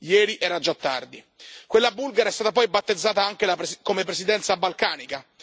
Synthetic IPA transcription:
jɛːɾiʔɛːɾad͡ʒat̪ːa̰rd̪i | kwelːabulɡaɾaɛst̪aːt̪apɔjbat̪ːed̪zːaːt̪aaŋk̟elapkomepɾesid̪ɛnt̪sabalkaːnika

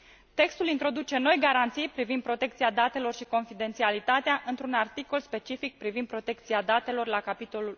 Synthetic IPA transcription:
t̪e̞kst̪ulint̪ɾo̞d̪ut͡ʃe̞no̞jɡaɾant̪sijpɾivind̪̚pɾo̞t̪e̞k̚t̪siad̪at̪e̞lo̞rʃiko̞nfid̪e̞nt̪sialit̪at̪eaʔɨnt̪ɾunart̪iko̞lspe̞t͡ʃifik̚pɾivind̪pɾo̞t̪e̞k̚t̪siad̪at̪e̞lo̞rlakapit̪o̞lul

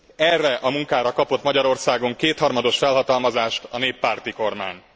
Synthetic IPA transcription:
ɛrːɛʔɒmuŋkaːɾɒkɒpo̞t̪mɒɟɒɾo̞rsaːɡo̞ŋkeːt̪hɒrmɒd̪o̞ʃfɛlɦɒt̪ɒlmɒzaːʃt̪ɒneːpːaːrt̪iko̞rma̰ːɲ

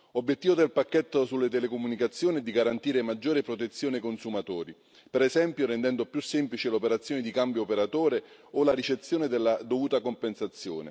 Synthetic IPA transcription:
obːjet̪ːiːvod̪elpakːɛt̪ːosulːet̪̬ɛlekomunikat̪sːjoːniɛd̪iɡaɾant̪iːɾemad͡ʒːoːɾepɾot̪et̪sːjoːnekonsumat̪ɔːɾi | peɾɛzɛmpjoɾɛnd̪ɛnd̪opjusːemplit͡ʃelopeɾat̪sːjoːned̪ikambjoːpeɾat̪oːɾe | olaɾit͡ʃet̪sːjoːned̪elːad̪ovuːt̪akompensat̪sːjoːnḛ

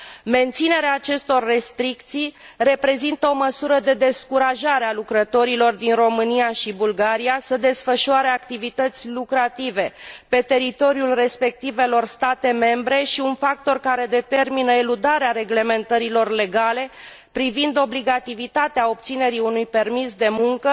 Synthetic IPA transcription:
me̞nt̪sine̞ɾeaːt͡ʃe̞st̪o̞rːe̞st̪ɾikt̪sij | re̞pɾe̞zint̪əoməsuɾəd̪e̞d̪e̞skuɾaʒaɾealukɾət̪o̞ɾilo̞rd̪inro̞mɨnijaʃibulɡaɾiasəd̪e̞sfəʃuaɾe̞akt̪ivit̪ət̪sʲlukɾat̪ive̞pe̞t̪e̞ɾit̪o̞ɾiulre̞spe̞k̚t̪ive̞lo̞rst̪at̪e̞me̞mbɾe̞ʃiunfak̚t̪o̞rkaɾe̞d̪e̞t̪e̞rminəeɾud̪aɾeaɾe̞ɡle̞me̞nt̪əɾilo̞rle̞ɡale̞ | pɾivind̪o̞bliɡat̪ivit̪at̪eao̞p̚t̪sine̞ɾiunujpe̞rmisd̪e̞muŋkə

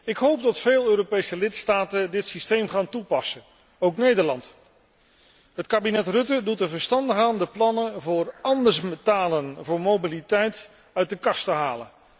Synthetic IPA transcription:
ɪkɦowp̚dɑtfeːlˠøːɾopejsəlɪtstaːtədɪtsistejmχaːntupɑsə | owknejdəɹlɑnt | ɦətkaːbinɛtrɵtədutəvəɹstɑndəχaːndəplɑnəvʊːrɑndəɹsmətaːlənvʊːɹmobilitɛjt | œɥt̚dəkɑstəɦaːlə̰

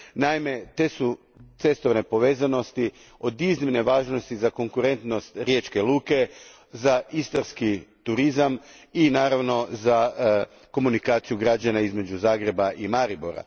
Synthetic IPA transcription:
naime̞t̪e̞ːsu | t̪se̞st̪o̞ʋne̞po̞ʋe̞ːzano̞st̪i | o̞d̪iznimne̞ʋaːʒnost̪izako̞ŋkuɾe̞nt̪no̞st̪ɾjeːt͡ʃke̞lˠuːke̞ | zaʔist̪aɾskit̪uɾizaminaːɾaʋno̞za | ko̞munikaːt̪sijuɡɾad͡ʑanaizme̞d͡ʑuzaːɡɾe̞baʔimaɾiboɾa̰

